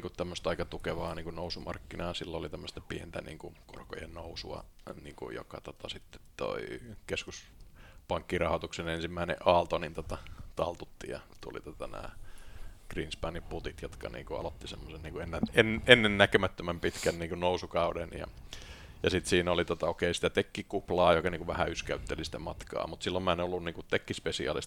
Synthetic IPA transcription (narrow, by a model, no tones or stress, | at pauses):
ŋkut̪t̪æmːøst̪ɑikɑt̪ukeʋɑːniːŋkunousumɑ̰rkːinɑːsilːolit̪æmːəst̪ɑpient̪ænḭːŋkuko̰rko̰jḛnnousuɑ̰niːŋkṵjo̰kɑt̪ot̪ɑsit̪ːe̥t̪t̪o̰ikeskuspɑŋkːirɑhot̪uksenensimːæinḛʔʔɑːlt̪onint̪ot̪ɑt̪ɑlt̪ut̪ːijɑ̰t̪ulḭt̪ot̪ɑnæ̰ː | ɡ̥rinspɑnimput̪it̪jot̪kɑ̰nḭːŋkuɑ̰lot̪ːisemːosenniːŋkuenːenenːenːennækømæt̪ːømæmpit̪kænniːŋkunousukɑudenjɑ̰ | jɑsit̪siːnolit̪ot̪ɑokeisi̥t̪æt̪ekːikuplɑːjokɑniːŋkuʋʋæhæyskæyt̪ːelisi̥t̪æmɑt̪kɑ̰ːmut̪silːomæenolːunniːŋkutt̪ekːispesiɑ̰lḭst̪